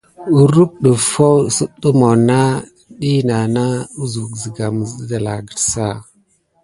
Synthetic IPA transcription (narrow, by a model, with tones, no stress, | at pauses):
u˨ɾu˦k̚ɗə˨fo˦wsə˦ɗə˦mo˨na˦ | ɗi˦na˨na˦u˦zu˨ɡzə˨ɡa˨mə˨zə˦da˨la˨ɡə˨ɾsa˦˨